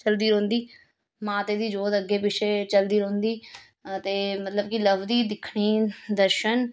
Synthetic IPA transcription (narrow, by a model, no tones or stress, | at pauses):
t͡ʃəld̪iːɾõːnd̪iː | mãːt̪eːd̪iːd͡ʒoːd̪əɡeːpɪʃeːt͡ʃəld̪iːɾõːnd̪iː | t̪eːmət̪ləbkɪləʋd̪iːd̪ɪkʰɽiːd̪əɾʃən